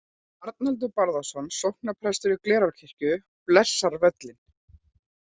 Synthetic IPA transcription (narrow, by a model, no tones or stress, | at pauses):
aɾt̪̚nalt̪̬ʏpaɾðasɔnsowhk̚napʰɾɛst̪ʏɾʏklɛːɾaɾcʰir̥cʏ | plɛsːaɾvɛt̪lɪn